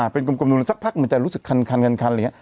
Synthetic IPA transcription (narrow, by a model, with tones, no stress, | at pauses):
ʔaː˨˩pe˧nk̬u˧mku˧mnu˧n˧sa˦˥k̚pʰa˦˥k̚ma˧nt͡ɕa˧˩ɾu˦˥sɯ˨˩kʰːa˧nkʰa˧nkʰa˧nkʰa˧nla˨˩ɲi˦˥˦